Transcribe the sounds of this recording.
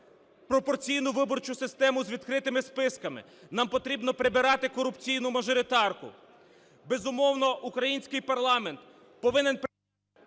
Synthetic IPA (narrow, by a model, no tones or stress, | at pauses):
pɾɔpɔrt͡sʲijnʊʋɪbɔrt͡ʃʊsɪst̪ɛmʊzʲʋʲid̪kɾɪt̪ɪmɪspɪskɐmɪ̰ | nɑmpɔt̪ɾʲibnɔpɾɪbɪɾɑt̪ɪkɔɾʊpt͡sʲijnʊmɐʒɔɾɪt̪ɑrkʊ̰ | bezʊmɔwnɔʔukɾɐjinʲsʲkɪjpɐrlˠɑment̪ | pɔʋɪnɪnp